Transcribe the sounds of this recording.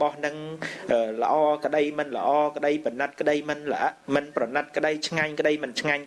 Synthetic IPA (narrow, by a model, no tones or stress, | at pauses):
ɓɑhnɨŋʔəːlə̆ʔɑːkə̆ɗəjmɨnlə̰̆ʔɑːkə̆ɗəjpənɨt̪̚kə̆ɗəjmɨnləʔaʔmɨnprɑnɨt̪̚kə̆ɗəjt͡ɕʰŋaɲkə̆ɗəjmɨnt͡ɕʰŋaɲ